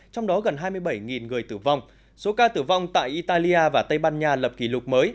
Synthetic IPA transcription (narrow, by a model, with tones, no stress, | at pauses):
t͡ɕɔ˧wŋ͡mɗɔ˨˦ɣə˨˩nɦaː˧jmɨ˧əjɓə˧˩jŋi˨˩nŋɨ˨˩əjt̪ɨ˧˩va˧wŋ͡m | so˨˦kaː˧t̪ɨ˧˩va˧wŋ͡mt̪a̰ː˧˨jʔi˧t̪aː˧li˧ʔaː˧vaː˨˩t̪ə˧jɓaː˧nɲaː˧lə˨˩p̚ki˧˩lʊ˨˩k͡p̚məː˨˦j